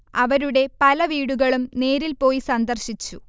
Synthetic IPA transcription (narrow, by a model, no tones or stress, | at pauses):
ɐʋɐɾuɽe̞pɐlɐʋiːɽuɣɐɭumne̞ːɾilpo̞ːjisɐnd̪ɐrɕit͡ɕːu